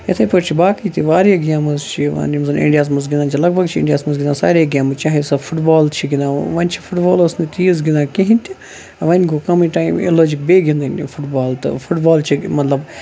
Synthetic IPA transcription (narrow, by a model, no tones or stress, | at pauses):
et̪ʰepɐɾt͡ʃʰibaːkit̪iʋaːɾaɡjaːmɐzt͡ʃʰiʋa̰nimzɐnḭ̃ɳɖijaːs̬mɐs̬ɡinaːnt͡ʃʰilɐɡ̚bʱɐɡt͡ʃʰiɪ̰ɳɖijaːsmɐzɡɪnasa̰ːɾeɡʲaːmɨt͡ʃaːɦesɐfʰʊʈbaːlt͡ʃʰiɡind̪ãʋɐnʲt͡ʃʰi̥fʰʊʈbaːlɐsnit̪ʰiːz̬ɡɪnãːkẽɦĩnt̪i | ʋɐnɡokɐmĩʈaːimḛloːd͡ʒik̚beːɡĩnd̪ɐnʲifʰʊʈbaːlt̪ɨ̰fʰʊʈbaːlt͡ʃʰimɐt̪lɐb